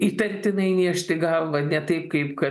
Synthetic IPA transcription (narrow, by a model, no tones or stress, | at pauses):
it̪ʲɛnʲt̪ʲɪnɐɪnʲiʃʲt̪ʲɪɡɑːlˠʋɐnʲɛt̪ɐɪp̚kɐɪpkɐ